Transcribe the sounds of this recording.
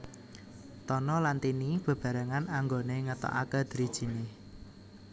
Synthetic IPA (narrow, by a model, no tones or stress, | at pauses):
t̪ɔnɔlant̪inib̥ə̤b̥ä̤ɾaŋanaŋɡoneŋət̪ɔ̰ʔa̰kəd̪̥ɾid̥ʒ̥i̤nɪh